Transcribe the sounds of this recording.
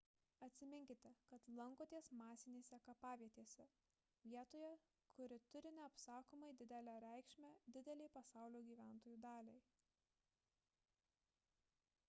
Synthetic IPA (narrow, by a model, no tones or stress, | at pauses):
ɐt̪ʲsʲɪmʲɪŋʲkʲɪt̪ʲɛkɐt̪lˠɐŋkoːt̪ʲiɛsmɑːsʲɪnʲeːsʲɛkɐpɑːʋʲiɛt̪ʲiːsʲɛ | ʋʲiɛt̪oːjɛ | kʰʊɾʲɪt̪ʊɾʲɪnʲɛɐpsɑːkoːmɐɪd̪ʲɪd̪ʲɛlʲæːɾʲɛˑɪkʃʲmʲæːd̪ʲɪd̪ʲɛlʲɛɪpɐsɑˑʊlʲoːɡʲiːʋʲæˑnt̪oːjuːd̪ɑːlʲɛɪ